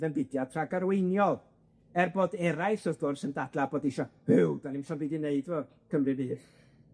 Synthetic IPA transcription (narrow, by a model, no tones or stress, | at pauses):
ðənbɪdjatʰraɡaɾwejnjɔlˠ | ɛrboːdɛɾajsɔðɡʊrsəndadlˠaboːdiʃɔhɪwd̥anɪmʃɔnbidineɨdvɔ | kʰəmrɨbiː